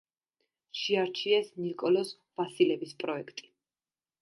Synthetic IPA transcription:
ʃiaɾt͡ʃʰiɛsnikʼɔlɔs | vasilɛbispʼɾɔɛkʰt̪ʼi̥

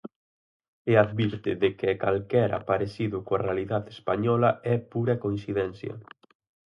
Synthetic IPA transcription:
eaðβiɾt̪ɪðɪkɪakalkɛɾa̰paɾesiðʊkoarealiðaðespaɲɔlɐɛpuɾɐkoĩnsiðɛnθjɐ̰

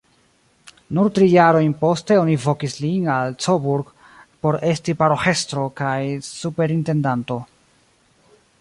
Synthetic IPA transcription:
nuɾtɾijaɾo̞jnpo̞ste̞o̞nivo̞kislinalt͡sobuɾɡ | po̞ɾe̞stipaɾoxe̞stɾo̞kajsupe̞ɾinte̞ndanto̞

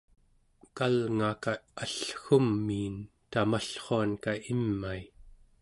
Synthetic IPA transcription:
kalŋakaaɬxumːiːn | t̪amaɬχoankaimːai

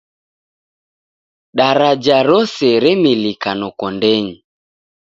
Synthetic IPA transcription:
ɗaɾad͡ʒaɾɔsɛɾɛmilikanɔkɔndɛɲi

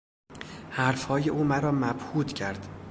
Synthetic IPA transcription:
hæɾfhɒːje̞ʔuːmæɾɒːmæb̥huːd̪cʰæɾd̪̥

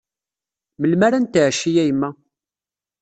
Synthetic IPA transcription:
məlmæɾænt̪əʕʃijæjmːæ

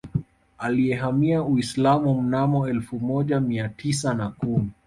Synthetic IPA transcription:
aliɛɦamiauislamum̩namɔɛlfumɔʄamiatʰisanakumi

